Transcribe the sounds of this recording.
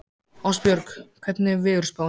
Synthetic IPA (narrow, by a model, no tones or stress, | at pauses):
awspjœɾkkʰvɛt̪nɪvɪʏɾ̥spaw